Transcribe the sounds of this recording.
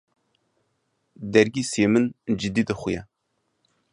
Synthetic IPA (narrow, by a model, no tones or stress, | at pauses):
d̪ɛɾɡiːseːmɨnd͡ʒɨd̪iːd̪ɨxʷʊjɛ